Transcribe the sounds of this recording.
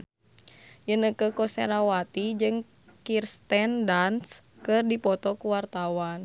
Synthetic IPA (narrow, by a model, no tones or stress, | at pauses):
jənəkəkɔsɛɾawat̪id͡ʒɨŋ | kirst̪ɛndanskɨrdipɔt̪ɔkuwart̪awan